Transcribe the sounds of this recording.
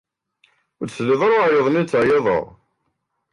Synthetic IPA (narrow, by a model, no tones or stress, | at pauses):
ʊsliðˤɾˤjəðˤnit͡sːʕjeðˤə̰ʁ